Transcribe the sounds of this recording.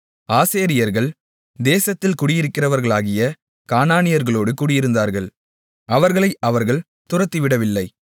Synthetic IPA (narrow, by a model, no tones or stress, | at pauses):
aːseːɾɪjɐɾɣɐɭ | d̪eːsɐt̪ːɪlkʊɽɪjɪɾɯkːɪrɐʋɐɾɣɐɭaːɣɪjɐ | kaːnaːnɪjɐɾɣɐɭoːɽɯkuːɽɪjɪɾɯnd̪aːɾɣɐɭ | ɐʋɐɾɣɐɭɐɪʔɐʋɐɾɣɐɭ | t̪ʊrɐt̪ːiʋɪɽɐʋɪlːɐɪ